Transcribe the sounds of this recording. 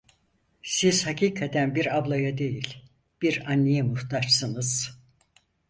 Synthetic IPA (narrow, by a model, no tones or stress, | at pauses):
siz̥hacʰiːkʰat̪ʰænbiɾablˠajad̪e̞jilʲ | b̥iɾanːijɛmuht̪ʰaʃsɯnɯz̥